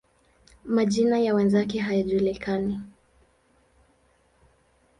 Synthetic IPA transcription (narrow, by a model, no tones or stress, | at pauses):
maʄinajawɛnzakɛɦajaʄulikani